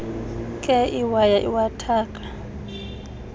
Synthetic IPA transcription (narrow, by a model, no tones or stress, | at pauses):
kʼɛiwajaʔiwatʰaːkʼḁ